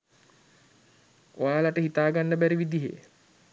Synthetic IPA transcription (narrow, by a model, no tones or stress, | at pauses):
ojaːlaʈəɦit̪aːɡanːəbæɾiʋid̪iɦḛ